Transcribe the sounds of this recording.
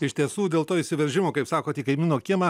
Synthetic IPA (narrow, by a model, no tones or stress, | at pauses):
ɪʃʲt̪ʲiɛsuːd̪ʲeːlˠt̪oːisʲɪʋʲɛɾʲʒʲɪmoːkɐɪpsɑːkoːt̪ʲiːkɐɪmʲɪːnoːkʲɪmɐ